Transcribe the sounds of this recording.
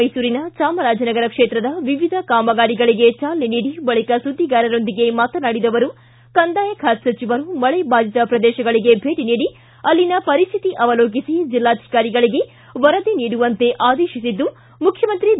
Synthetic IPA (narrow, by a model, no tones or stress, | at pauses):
jsuːɾinɐt͡ʃaːmɐɾaːd͡ʒɐnɐɡɐɾɐkʂeːt̪ɾɐd̪ɐʋiʋid̪ʱɐkaːmɐɡaːɾiɡɐɭiɡe̞t͡ʃaːlːiniːɽibɐɭikɐsud̪ʱːiɡaːɾɐɾo̞nd̪iɡe̞maːt̪ɐnaːɽid̪ɐʋɐɾu | kɐnd̪aːjɐkʰaːt̪sɐt͡ʃiʋɐɾumɐɭɛbʱaːd͡ʒit̪ɐpɾɐd̪ɛːʃɐɡɐɭiɡe̞bʱeːʈiniːɽi | ɐlːinɐpɐɾist̪ʰit̪iʔɐʋɐloːk̬isid͡ʒilːaːd̪ʱi̥kaːɾiɡɐɭiɡe̞ | ʋɐɾɐd̪eniːɽuʋɐnt̪e̞ʔaːd̪eːʃisid̪ːu | mukʰjɐmɐnt̪ɾi